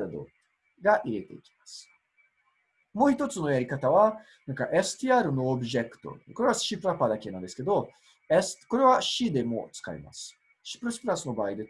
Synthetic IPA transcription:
ɾd̪o̰ | ɡaʔiɾet̪ḛkʲi̥mas | mohit̪ːot͡sunojaɾikat̪awa | nukaʔɛst̪ijaɾunuɔbʒɛkt̪o̰koɾewasʃipɾapad̪akɛnad̪ɛsked̪o | ɛst̪koɾewaʃid̪emo̰ʔ̪t͡ska̰jma̰s | ʃi̥pɾospɾasnobajd̪e

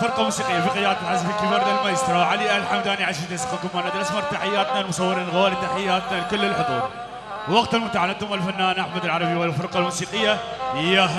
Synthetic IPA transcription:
fɪɾqɑmuːsiːqɪjːafiqɨt̪aːd̪at̪lħazfikibɑɾd̪almajəst̪ɾˤɑʕaliʔalħamd̪aniʕaʃit̪asqːɑkʊmːanad̪ɾɑsmɑɾˤt̪aħɪjːaːt̪nalmʊsˤɑwːɪɾiːnlɣoːlit̪aħɪjːaːt̪nalkʊlːɪlħʊd̪uːɾˤ | wɑqt̪almʊt̪aʕanat̪ʊmːalfanːaːnʔaħmad̪ɪlʕɑɾˤɑbiwalfɪɾqɑlmuːsiːqəjːaɪjːa

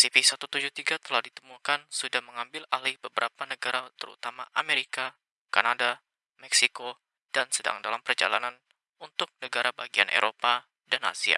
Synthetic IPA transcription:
sipisat̪ut̪ud͡ʒut̪iɡat̪əlahdit̪əmukansudahməŋambɪlalɪhbəbəɾʔapanəɡaɾat̪əɾṵt̪amaʔameɾika | kanada | mɛksiko | d̥ansəda̰ŋdalampərd͡ʒa̰la̰nan | unt̪ʊk̚nəɡaɾabaɡia̰nʔḛɾʔopa | dana̰sia̰

